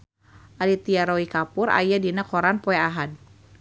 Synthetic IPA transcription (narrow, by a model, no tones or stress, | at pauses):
ʔalit̪iaɾɔikapʊɾʔa̰jadinakɔɾanpɔɛaɦad̚